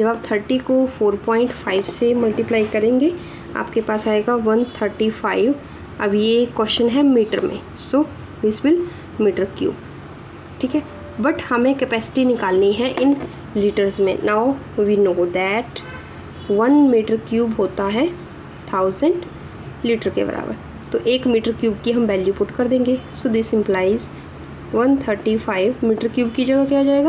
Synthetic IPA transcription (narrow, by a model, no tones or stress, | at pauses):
d͡ʒɐbaːp̚t̪ʰəɾʈikofoːɾpɔ̃ːɪ̃ɳʈfaːɪʋsemɐlʈɪplaːɪkɐɾẽːŋɡe | a̰ːpkepaːsaːeɡaʋɐ̃nt̪ʰəɾʈifaːɪʋ | ɐbjekːɔʃənɦɛmiːʈəɾmḛ̃ | soː | d̪ɪsʋɪl | miːʈəɾkjṵːb | ʈʰiːkɦɛ | bɐʈhɐmẽkɛpɛːsɪ̥ʈinɪkaːlniɦɛʔɪn | liːʈəɾzmḛ̃naːʊ | ʋiːnoːd̪ɛːʈ | ʋɐnmiːʈəɾkjuːbɦoːt̪aɦɛ | t̪ʰaːʊzə̃ɳɖ | liːʈəɾkḛbɐ̰ɾʔa̰ːbə̰ɾ | t̪oʔeːkmiːʈəɾkjuːbkiɦɐ̃mbɛːljupʊʈkɐɾd̪ẽːŋɡesod̪isɪ̃mplaːɪz | ʋɐnt̪ʰəɾʈifʰaːɪʋmiːʈəɾkjuːbkid͡ʒɐɡakijad͡ʒaːeːɡaː